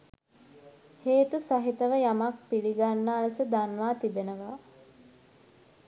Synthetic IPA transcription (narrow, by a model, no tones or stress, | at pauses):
heːt̪usaɦit̪əʋəjamak̚piliɡanːəːləsəd̪anʋaːt̪ibenəʋa